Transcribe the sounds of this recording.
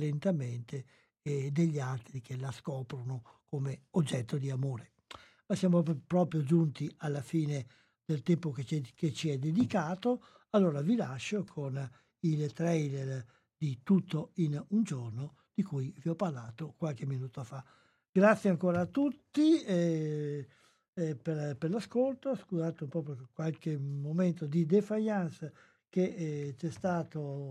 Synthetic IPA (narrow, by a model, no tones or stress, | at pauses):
lent̪ament̪eː | d̪eʎːialt̪ɾik̟elaskɔːpɾono | komeod͡ʒːɛt̪ːod̪iamoːɾe | masjaːmopɾɔːpɾjod͡ʒunt̪ialːafiːne | d̪̥elt̪ɛmpokeket͡ʃiɛd̪ed̪ikaːt̪o | alːoːɾavilaʃːokʰon | ilt̪ɾɛjler | d̪̥it̪ut̪ːoinund͡ʒorno | d̪̥ikujviɔpːarlaːt̪okwalk̟eminuːt̪ofa | ɡ̥ɾat̪sːjeaŋkoːɾaːt̪ːut̪ːiɛ | peɾpeɾlaskolt̪oskuzaːt̪oumpɔːpɾokwalkemomɛnt̪od̪id̪efaʎːans | ket͡ʃɛst̪aːt̪o